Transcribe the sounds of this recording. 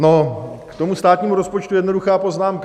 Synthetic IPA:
no | kt̪o̞must̪aːt̪ɲiːmuɾospot͡ʃt̪ujɛdno̞duxaːpo̞znaːmka

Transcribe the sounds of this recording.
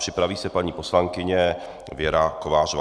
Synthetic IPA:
r̥ɪpɾaviːsɛpaɲiːpo̞slaŋkɪɲɛ | vjɛɾakovaːrov

